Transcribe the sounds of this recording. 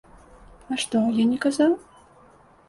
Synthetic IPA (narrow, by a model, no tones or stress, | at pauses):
aʂt̪ɔjanʲɛkazaw